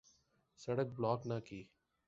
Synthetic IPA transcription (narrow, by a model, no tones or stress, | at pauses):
səɽək̚blaːknaːkiː